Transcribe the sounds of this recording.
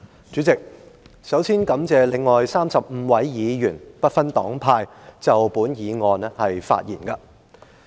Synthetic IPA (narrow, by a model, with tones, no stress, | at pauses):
t͡ʃyː˨˥t͡sɪ˨k̚sɐ˨˥wsiː˥nkɐ˨˥mt͡sɛː˨lɪ˨ŋːɔː˨jsaː˥msɐ˨p̚m̩ː˨˧wɐ˨˥jjiː˨˧jyː˨˩npɐ˥t̚fɐ˥nt̪ɔː˨˥ŋpʰaː˧j | t͡sɐ˨wpuː˨˥njiː˨˧ŋɔː˨˧nɛ˥hɐ˨jfa̰ː˧t̚jiː˨˩nkɐ˧